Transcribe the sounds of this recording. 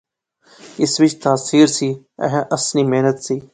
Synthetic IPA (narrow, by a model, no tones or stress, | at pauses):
ɪsʋɪt͡ʃt̪aːsiːɾsiː | ɛ̰̃ɦʔəsniːmeɦnət̪siː